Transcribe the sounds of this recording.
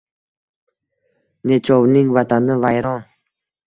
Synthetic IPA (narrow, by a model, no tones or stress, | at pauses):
net͡ʃʰɔvniŋvat̪ʰanəvajɾɔn